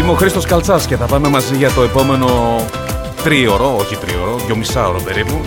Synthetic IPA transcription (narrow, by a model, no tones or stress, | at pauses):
imeoxɾist̪o̞skɐlt͡sɐsce̞θɐpɐme̞mɐziʝɐt̪o̞epo̞me̞no̞ | t̪ɾio̞ɾo̞oçit̪ɾḭo̞ɾo̞ðʝo̞misɐo̞ɾope̞ɾipu